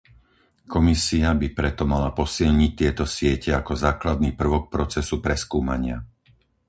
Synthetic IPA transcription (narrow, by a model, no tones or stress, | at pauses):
kɔmisiabipɾɛt̪ɔmalapɔsilɲic̚t̪ɪɛt̪ɔsɪɛcɛakɔzaːklad̪niːpr̩ʋɔk̚pɾɔt͡sɛsupɾɛskuːma̰ɲɪa